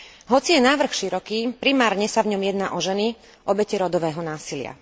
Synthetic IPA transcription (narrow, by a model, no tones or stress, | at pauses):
ɦɔt͡sijɛnaːʋr̩xʃiɾɔkiːpɾimaːɾɲɛsavɲɔmjɛd̪naːʔɔʒɛni | ʔɔbɛcɛɾɔd̪ɔʋɛːɦɔnaːsilɪa̰